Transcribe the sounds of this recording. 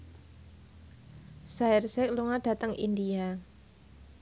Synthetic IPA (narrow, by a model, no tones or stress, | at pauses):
sairsɛk̚luŋad̥a̤t̪əŋʔḭndia